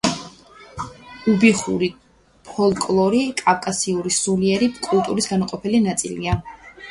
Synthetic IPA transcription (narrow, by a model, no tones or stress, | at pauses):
ubiχṵɾi | pʰɔlˠkʼlˠɔɾikʼafkʼasiuɾisuliɛɾipkʼulˠt̪ʼuɾisɡanaqʼɔpʰɛlinat̪sʼḭlḭa